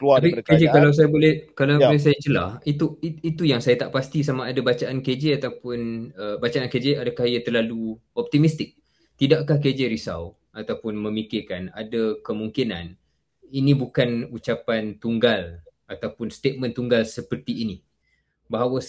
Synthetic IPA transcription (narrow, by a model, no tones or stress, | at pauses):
k̪apiked͡ʒekalaws̬ajabolɛhkalabolɛhs̬ajad͡ʒəla̰hit̪uit̪ujaŋsajat̪aʔpast̪is̬amaːdabat͡ʃaʔanked͡ʒeat̪awpʊnəbat͡ʃaːnked͡ʒeadakahijat̪ərlalu | ɔp̚t̪imist̪ɪk̚ | t̪idaʔkahked͡ʒeɾisa̰w | at̪awpʊnmə̃mikɪrkana̰dakəmuŋkinan | inĩbukanut͡ʃapant̪uŋɡal | at̪awpʊnst̪et̪̚mə̃nt̪uŋɡalsəpərt̪iːni | baɦawə